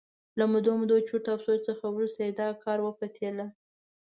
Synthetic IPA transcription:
lamʊd̪omʊd̪ot͡ʃuɾt̪apsojt͡səxawɾust̪ajed̪ɑkʰɑɾwəpat̪ʰela

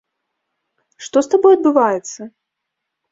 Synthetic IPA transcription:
ʂt̪ɔst̪abɔjɐd̪̚bɨvajɛt̪sːɐ

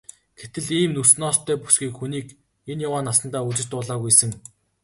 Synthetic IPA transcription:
ɡ̥et̪ɘ̆ɮiːmnusnɔːst̪ʰːœːpu̥sɡiːkxuniːk | enjawaːnasə̆nt̪aːut͡ɕɪ̆t͡ɕt̪ʊːɮaːɣujsə̆ŋ

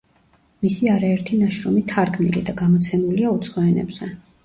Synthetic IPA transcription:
misiaɾaɛɾt̪ʰinaʃɾɔmit̪ʰaɾkʰmnḭlid̪aɡamɔt̪sʰɛmuliaut̪sʰχɔɛnɛ̰bz̥ɛ

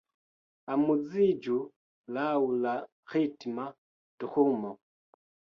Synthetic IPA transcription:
amud͡zid͡ʒu | laula | xitima | tuxumɔ

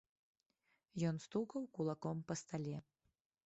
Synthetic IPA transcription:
jɔnst̪ukɐwkulˠakɔmpɐst̪alʲɛ

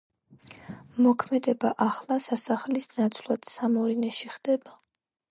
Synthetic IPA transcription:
mɔkʰmɛd̪ɛbaʔaχlˠasasaχlisnat̪sʰlˠwad̪̥samɔɾinɛʃiχd̪̥ɛba

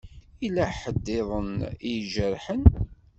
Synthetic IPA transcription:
ilæħəd̪ːɪðˤənijʒəɾħən

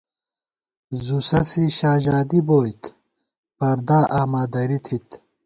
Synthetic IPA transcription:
zusɐsiɕaːʑaːd̪iboːjt̪ | pɐɾd̪aʔaːmaːd̪ɐɾit̪ʰit̪

